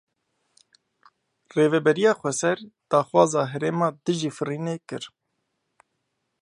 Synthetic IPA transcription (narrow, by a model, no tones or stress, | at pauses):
reːvɛbɛɾijɑːxʷɛsɛɾd̪̥ɑːxwɑːzɑːɦɛɾeːmɑːd̪ɨʒiːfɨriːneːkɨɾ